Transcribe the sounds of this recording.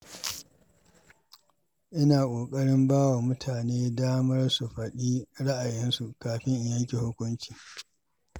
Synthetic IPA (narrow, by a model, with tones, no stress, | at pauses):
ʔɪ˦naː˨kʷʼoː˨kʼɐ˦ɽɪ˦mbaː˦wa˨mʊ˦tʰaː˨neː˦daː˦mɐ˦rsu˨ɸɐ˨ɗiː˦ɽa˦ʔa˨jɪ˦nsu˨ʔkaː˨ɸɪ˦ŋʔɪ˨jɐ˦ŋkʲe˨hʊ˦kʷʊ˦nt͡ʃiː˨